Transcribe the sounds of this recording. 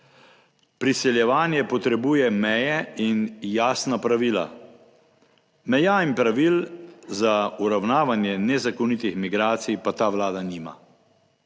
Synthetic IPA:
pɾisɛljɛʋaːnjɛpɔt̪ɾɛbuːjɛmɛjɛinjaːsnapɾaʋiːla̰ | mɛjaːimpɾaʋiːlzauɾawnaːʋanjɛnɛzakɔnit̪ixmiɡɾaːt̪sijpat̪aːʋlaːd̪aniːma̰

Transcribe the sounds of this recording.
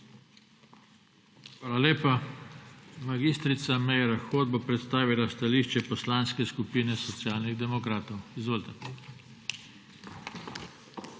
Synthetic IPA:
xʋaːlaleːpa | maɡiːst̪ɾit̪samɛjɾaxoːd̪̚bopɾɛt̪st̪aːʋilast̪aliːʃt͡ʃɛpɔslanskɛskupiːnɛsɔt̪sjaːlniɣd̪ɛmɔkɾaːt̪ɔwizʋoːlt̪ɛ

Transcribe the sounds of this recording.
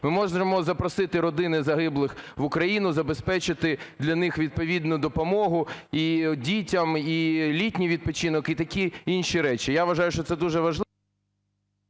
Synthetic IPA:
mɪmɔʒemɔzɐpɾɔsɪt̪ɪɾɔd̪ɪnɪzɐɦɪblˠɪxʋʊkɾɐjinʊzɐbespɛt͡ʃɪt̪ɪd̪lʲɐnɪxʋʲid̪̚pɔʋʲid̪nʊd̪ɔpɔmɔɦʊidʲitʲɐmilʲitʲnʲijʋʲid̪̚pɔt͡ʃinɔkit̪ɐkʲiinʃiɾɛt͡ʃijaʋɐʒɑjʊʃt͡ʃɔt̪sɛd̪uʒɛʋɐʒlˠ

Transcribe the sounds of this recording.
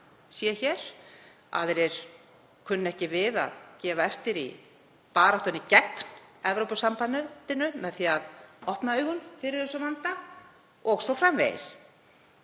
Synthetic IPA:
sjɛçɛːɾ̥ | a̰ðɛɾɛɾ̥ | kʰʏnːɛhcɪvɪða̰ðcɛːvaɛft̪ɪɾḭ | paːɾaht̪ɔnɪcɛkn̥ɛvɾowpʏsampanːʏt̪ɪnːʏmɛðθiaðɔhpnaœːɣʏnfɪɾɪɾ̥θɛsʏmant̪a | ɔɣsɔfɾamvḛjɪ̰s

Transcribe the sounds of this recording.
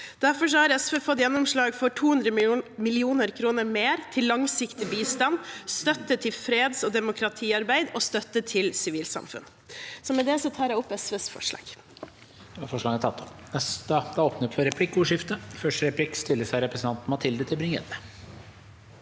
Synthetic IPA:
d̪̥æɾfɔʂ̬ɔhɑɾɛsʋeːfɔt̪ːjɛnːɔmʂɭɑːɡfɔʈʰuːhʉnd̪ɾəmɪlɪuːnəɾkʰɾuːnəɾmeːɾt̪ʰɪlːɑŋsɪkt̪ɪbiːst̪ɑnst̪œt̪ːət̪ʰɪlfɾeːd̪sɔd̪ɛmʊkʰɾɑt̪ʰiːɑɾbæɪd̪ɔst̪œt̪ːət̪ʰɪlsɪʋiːlsɑ̰mfʉ̰n | sɔmɛd̪ɛsɔt̪ʰɑːɾjæɪɔpːɛsʋesfɔ̰ʂɭɑ̰ːɡ̥ | fɔʂlɑːɡt̪ʰɑt̪ʰːɔp̪ɛst̪əd̪ɛoːpnəɔpfɔɾɛpʰlɪkːʊʂɪft̪əfœʂʈəɾɛpʰlɪkst̪ɪlːəsæɪɾɛpɾəsn̩t̪ɑnt̪n̩mɑt̪ʰɪld̪ət̪ʰɪlbɾɪŋḛːd̪ə

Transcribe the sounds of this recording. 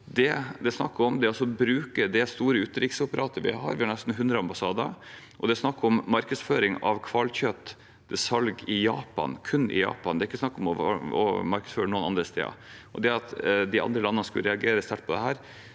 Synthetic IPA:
d̪ɛd̪ɛsnɑ̰kːɔmd̪ɛɑsɔbɾʉːkəd̪ɛst̪uːɾəʉːt̪ɾɪksʊpəɾʔɑːt̪əɾʋɪ̰hɑ̰ːɾʋɪhɑɳɛst̪n̩ɦʉnd̪ɾəɑmbɑsɑːd̪ɑ̰ | ʔɔd̪ɛsnɑkːɔmmɑɾkəsføːɾɪŋɑ̰ʋkʰʋɑlçœt̪ː | d̪ɛsɑlɡɪjɑːpɑ̰nkʰʉnːɪ̰jɑ̰ːpɑnd̪ɛæɾɪkːəsnɑkːɔmɔɔ̰mɑɾkəsføːɾənuːənɑnd̪ɾəst̪ʰḛːɑ̰ʔɔd̪ɛɑt̪d̪ɪʔɑ̰nd̪ɾəlɑnːənəskʉlɾɛɑɡeːɾəst̪æʈ̚pʰɔd̪ɛɦæːɾ

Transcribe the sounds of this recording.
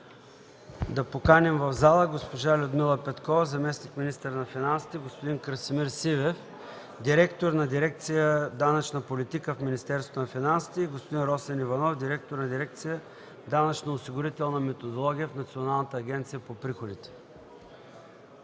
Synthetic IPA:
d̪ɐpokanɛmvəvzalˠəɡospoʒalʲʊd̪milˠəpɛt̪kɔvɐzɐmɛsnikminist̪əɾnɐfinansi̥t̪ɛɡospod̪inkɾəsimiɾsivɛf | d̪iɾɛkt̪oɾnɐd̪iɾɛk̚t̪sijəd̪anət͡ʃnəpolit̪ikəfminist̪ɛɾst̪vonɐfinansi̥t̪ɛiɡospod̪inɾɔsɛnivɐnɔfd̪iɾɛk̚t̪oɾnɐd̪iɾɛk̚t̪sijə | d̪anət͡ʃnɐosiɡʊɾit̪ɛlˠnɐmɛt̪od̪olˠɔɡʲijəfnɐt̪sionalˠnət̪əːɡʲɛnt̪sijəpopɾixod̪it̪ɛ̥

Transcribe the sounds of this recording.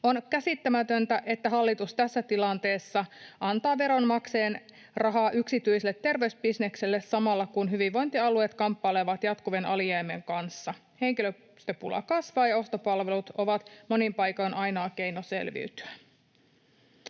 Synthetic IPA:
o̞nkæsit̪ːæmæt̪ønt̪æʔe̞t̪ːæɦɑlːit̪ust̪æsːæt̪ilɑnt̪e̞ːsːɑʔɑnt̪ɑːʋe̞ɾo̞nmɑkse̞ːn | rɑɦɑːʔyksit̪yjselːet̪ːe̞rʋe̞ysbisne̞kselːessɑmɑlːɑkunɦyʋiʋʋo̞jnt̪iɑluet̪kɑmpːɑleʋɑt̪jɑt̪kuʋenʔɑlieːmːeŋkɑnsːɑ | he̞ŋkilø | st̪øpulɑ̰kɑsʋɑːjɑo̞st̪opɑlʋe̞lut̪o̞ʋɑt̪mo̞nimpɑjkojnʔɑjnɑːke̞jnose̞̰lʋḭyt̪y̥æ

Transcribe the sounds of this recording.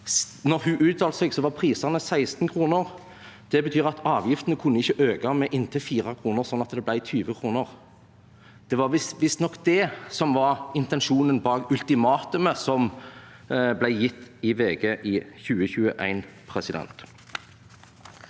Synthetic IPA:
nɔʁhʉʔʉːt̪̚ɑːlsɛɡsɔʋɑʁpʰʁiːsɑnəsæɪst̪n̩kʰʁuːnəʁ | d̪̥ɛbət̪ʰyːʁɑt̪ʰɑːʋjɪft̪ənəkʰʊnːəɪçːəʔøːɡɑmɛʔɪnt̪ʰəfiːʁɑkʰɾuːnəʁsɔnːɑt̪̚d̪ɛblæɪt̪ʰyːʋəkʰɾuːnəʁ | d̪̥ɛʋɑʁʋɪsʋɪst̪nɔkd̪̥ɛsɔmʋɑʁɪnt̪ɛnʃuːnənbɑːɡʉlt̪ɪmɑːt̪ʉməsɔm | blæɪjɪt̪ːɪʋeːɡəʔɪçʉːəçʉːəʔæ̰ɪnpʰʁɛsɪd̪ɛ̰nt̪

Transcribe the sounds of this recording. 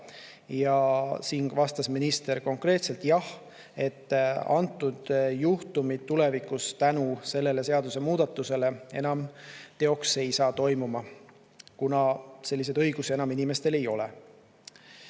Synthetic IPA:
jɑsiːŋɡvɑst̪ɑsminist̪e̞ɾko̞ŋkre̞ːt̪selt̪jɑh | e̞t̪ːɑ̰nt̪ːˑud̪̥juht̪umid̪̚t̪ːule̞vikːˑust̪ænuse̞lːe̞le̞se̞ɑd̪use̞muːd̪̥ɑt̪ːˑuse̞le̞e̞̰nɑmt̪e̞o̞kse̞jsɑːt̪o̞jmumɑ | kunɑse̞lʲːis̬e̞d̪ɤ̞jɡ̥use̞nɑminime̞st̪e̞le̞jo̞lḛ

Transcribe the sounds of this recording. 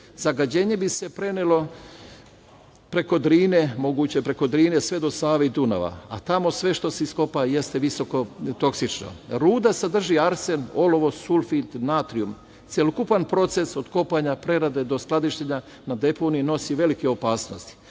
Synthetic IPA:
zaɡad͡ʑe̞ːɲe̞bise̞pɾe̞nelo̞ | pɾe̞ko̞d̪ɾiːne̞mo̞ɡuːt͡ɕepɾe̞ko̞d̪ɾiːne̞sʋe̞d̪o̞saːʋeid̪una̰ʋa̰a̰t̪amo̞sʋe̞ʃt̪o̞seisko̞paje̞st̪eʋiso̞ko̞t̪o̞ksit͡ʃno̰ɾuːd̪asad̪r̩ʒiaɾse̞no̞lo̞ʋo̞sulˠfit̪nat̪ɾium | t̪sʲjelokupanpɾo̞t̪se̞so̞d̪ko̞paɲapɾe̞ɾad̪e̞d̪o̞sklad̪iʃt̪eɲa | nad̪e̞po̞nijino̞siʋe̞likeo̞paːsno̞st̪i̥

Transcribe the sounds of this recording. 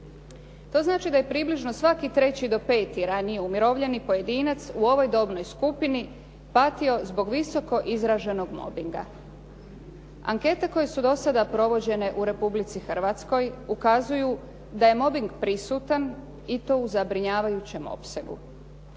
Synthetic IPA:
t̪o̞ːznaːt͡ʃid̪aje̞pɾiːbliʒno̞sʋakit̪ɾe̞t͡ɕid̪o̞pe̞ːt̪iɾanijeumiɾo̞ʋʎe̞nipo̞je̞d̪iːnat̪suo̞ʋo̞jd̪o̞bno̞jskupini | pat̪io̞zbo̞ɡʋiso̞ko̞ʔizɾaʒe̞no̞ɡmo̞̰biŋɡa̰ | a̰ŋke̞t̪e̞ko̞je̞sud̪o̞sad̪apɾo̞ʋo̞d͡ʑe̞ne̞ʔuɾe̞publit̪sixr̩ʋat̪sko̞jukazuju | d̪aje̞mo̞biŋɡpɾisuːt̪an | it̪o̞ːuzabɾiɲaːʋajut͡ɕe̞mo̞̰pse̞ɡṵ

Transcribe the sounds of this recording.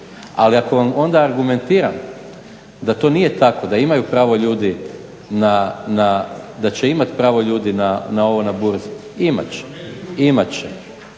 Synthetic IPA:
aliako̞ʋamo̞nd̪aːɾɡume̞nt̪iːɾam | d̪at̪o̞ːnije̞t̪ako̞d̪aimajupɾaːʋo̞ʎuːd̪i | nanad̪at͡ɕe̞imat̪pɾaːʋo̞ʎuːd̪inanao̞ʋo̞nabuɾzi | ima̰t͡ɕe̥imat͡ɕḛ

